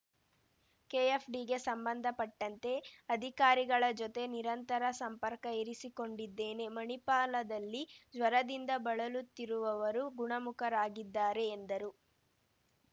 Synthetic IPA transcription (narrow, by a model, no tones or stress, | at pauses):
keːepʰɖiɡe̞sɐmbɐnd̪ʱɐpɐʈːɐnt̪e̞ɐd̪ʱikaːɾiɡɐɭɐd͡ʒot̪e̞niɾɐnt̪ɐɾɐsɐmpɐɾkɐiɾisiko̞ɳɖid̪ːeːne̞mɐɳipaːlɐd̪ɐlːid͡ʒʋɐɾɐd̪ind̪ɐbɐɭɐlut̪ːiɾuʋɐʋɐɾuɡuɳɐmukɐɾaːɡid̪ːaːɾe̞ːnd̪ɐɾu